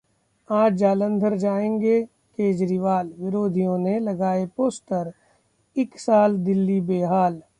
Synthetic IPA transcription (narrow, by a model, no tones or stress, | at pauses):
aːd͡ʒd͡ʒaːlə̃nd̪ʱəɾd͡ʒaːẽːŋɡe | keːd͡ʒɾiʋaːlʋɪɾoːd̪ʱijõnelɐɡaːepoːst̪əɾ | ɪksaːld̪ɪlːibeːɦaːl